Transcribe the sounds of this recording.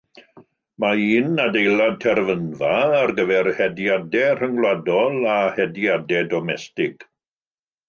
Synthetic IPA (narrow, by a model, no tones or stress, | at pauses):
maiːnːadejlˠad̚tʰɛrvənvaːrɡəvɛrhɛdjadɛr̥əŋɡlˠwadɔlˠahɛdjadɛdɔmɛstɪɡ̥